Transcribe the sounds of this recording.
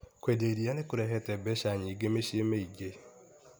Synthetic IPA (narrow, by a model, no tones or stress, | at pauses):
kʷedeɾijanɪkʊɾeɦetebeʃaɲɪɡemeʃiemeiɡe